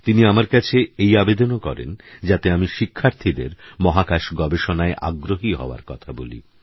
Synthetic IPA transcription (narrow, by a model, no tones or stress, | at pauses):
t̪iniamaɾkat͡ɕʰeejabed̪onokɔ̰ɾḛnd͡ʑat̪eamiʃikʰːaɾt̪ʰid̪ḛɾmɔɦakaʃɡɔbeʃonaeʔa̰ɡɾoɦiɦɔ̰oa̰ɾkɔt̪ʰabolḭ